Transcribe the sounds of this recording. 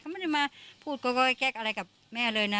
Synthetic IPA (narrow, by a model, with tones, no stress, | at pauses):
kʰa˥mɛ˧˥˩da˧˩jmaː˧pʰuː˥˩t̪̚koː˧kɔː˧˩ka˧˥˩kɛː˦˥˩k̚ʔa˧ɾa˧jka˨˩p̚mɛː˥˩lɤː˧jna˦˥